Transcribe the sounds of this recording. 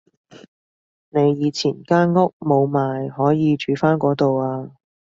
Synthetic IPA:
ne˨˧jjiː˨˧t͡sʰiː˨˩nkaː˥nŋʊ˥k̚mo˨˧wmaː˨jhɔː˨˥jiː˨˧t͡ʃyː˨˥faː˥nkʷɔː˨˥t̪o˨waː˧

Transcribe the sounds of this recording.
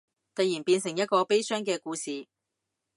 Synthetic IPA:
t̪ɐ˨˧jiː˨˩npiː˧nsɪ˨˩ŋjɐ˥t̚kɔː˧pe˥jsœː˥ŋkɛː˧kuː˧siː˨

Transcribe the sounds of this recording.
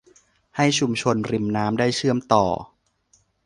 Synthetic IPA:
ha˥˩jt͡ɕʰu˧mt͡ɕʰo˧nɾi˨˩mnaː˦˥mdaː˥˩jt͡ɕʰɯ˥˩əmt̪ɔ̰ː˨˩

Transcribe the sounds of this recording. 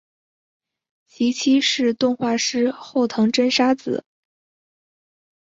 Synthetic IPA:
ɕʰi˧˥t͡ɕʰi˥ʂɻ̩˥˧t̪ʊ˥˧ŋxwa˥˩ʂɻ̩˥xo˥˩ʊt̪ʰɤ˧˥ŋʈ͡ʂə˥nʂa˥t͡sɹ̩˨˩˦

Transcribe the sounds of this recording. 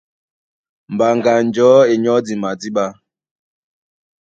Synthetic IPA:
m̩˨ba˨ŋɡa˨n˨d͡ʒɔ˨˦e˨ɲɔ˦di˨ma˨di˦ɓa˦

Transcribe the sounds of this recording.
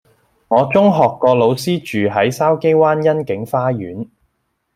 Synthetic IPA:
ŋɔː˨˧t͡sʊ˥ŋɦɔː˨kːɔː˧lo˨˧wsiː˥t͡ʃyː˨ɦɐ˨˥jsaː˥wke˥jwaː˥njɐ˥nkɪ˨˥ŋfaː˥jyː˨˥n

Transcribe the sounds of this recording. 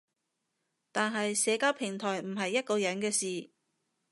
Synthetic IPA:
t̪aː˨nɦɐ˨jsɛː˨˧kaː˥wpʰɪ˨˩ŋt̪ʰɔː˨˩jm̩˨˩ɦɐ˨jːɐ˥t̚kɔː˧jɐ˨˥nkɛː˧siː˨

